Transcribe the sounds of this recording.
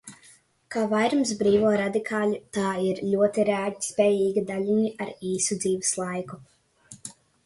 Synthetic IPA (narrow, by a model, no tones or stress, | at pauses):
kaːvajɾmsbɾiːvuːɾad̪ikʰaːlʲit̪aːiɾlʲuɔt̪iɾeɛaspʲɛːjiːɡid̪aʎʲiɲiaɾiːsud̪ziːvɛslˠajku